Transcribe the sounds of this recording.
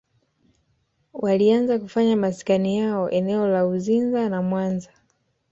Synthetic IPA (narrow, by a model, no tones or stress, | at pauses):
walianzakufaɲamasi̥kanijaɔʔɛnɛɔlauzinzanamwanza